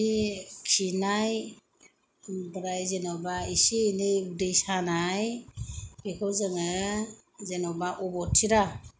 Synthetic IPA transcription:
ikʰinaj | bɾajzɛnɔbaiseineudejsanaj | ekʰɔwzaŋa | zɛnɔbaʔɔbɔtʰiɾa

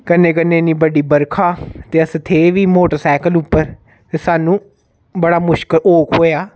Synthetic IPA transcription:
kənːẽːkənːeːnĩːbəɖiːbəɾkʰaːt̪eːəst̪ʰeːʋiːmoːʈəɾsɛːkəlʊpːəɾ | t̪eːsaːnũː | bəɽaːmʊʃkəloːkɦoːjaː

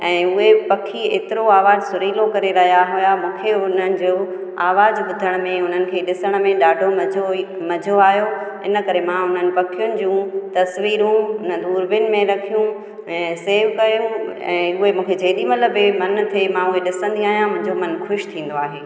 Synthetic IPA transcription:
ɛ̃ːʊɦepɐkʰiḛːt̪ɪɾoaːʋaːzsʊɾiːlokɐɾeɾɐɦijaɦʊjamũːkʰeʊnənɪ̆d͡ʑo | aːʋaːzbʊd̪ʱəɽ̃mẽʊn̤ənɪ̆kʰeːɗɪsəɽ̃ə̆mẽɗaːɖʱomɐo | mɐd͡ʑʱoaːɦijo | ɪ̰nə̆kɐɾemãʊn̤ənɪ̆pɐkʰijʊnɪ̆d͡ʑũːt̪ɐsʋiːɾũʊn̤əd̪uːɾbɪʊnɪ̆mẽɾɐkʰijũ | ɛ̃ːseːʋkɐjũɛ̰̃ːʊɦemũːkʰed͡ʑɐːɗimɐt̪ləbɪmɐnt̪ʰemãʊɦeɗɪsə̃nd̪iaːɦijãmʊ̃ɦɪ̃ɲd͡ʑomɐnxʊʃt̪ʰĩːn̆d̪oaːɦeː

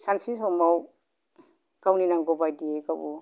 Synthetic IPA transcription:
sansinsɔmaw | kawninaŋɡɔbajdiekabu

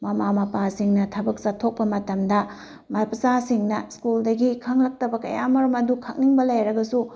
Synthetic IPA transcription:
mɐmamɐpasiŋnɐtʰɐbɐk̚satʰːok̚pɐmɐtɐmdɐ | mɐpɐzasiŋnɐskuldɐɡikʰɐŋlɐk̚tɐbɐkɐ̰jamɐɾɐmɐdukʰɐk̚niŋbɐlɐjɾɐɡɐsu

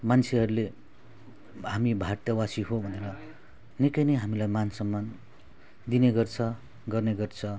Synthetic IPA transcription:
mant͡sʰeɦʌɾule | ɦamibʱaɾt̪ʌwasiɦobʱʌneɾʌ | nikʌjnʌjɦamilajmansʌmːan | d̪ineɡʌrt͡sʰʌ | ɡʌrneɡʌrt͡sʰʌ

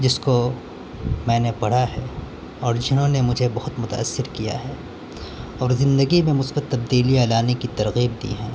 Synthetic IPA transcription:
d͡ʒɪsko | mɛ̃ːnepɐɽ̤aɦɛː | ɔːɾd͡ʒɪnɦõnemʊd͡ʒʱebɐɦʊt̪mʊt̪a̰ɐ̰sːɪɾkija̰ɦɛː | ɔːɾzɪ̃nd̪əɡimẽmʊsbət̪ːɐb̚d̪iːliɛːlaːnekit̪ɐɾɣiːb̚d̪ḭːɦɛ̰̃ː

